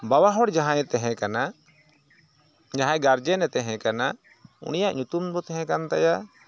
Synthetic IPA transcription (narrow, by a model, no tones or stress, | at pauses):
bawaɦɔɽd͡ʒaɦãjɛt̪ɛɦɛ̃kana | d͡ʒaɦãjɡaɾd͡ʒɛnɛt̪ɛɦɛ̃kana | ṵnijaʔɲut̪umbɔt̪ɛɦɛ̃kant̪aja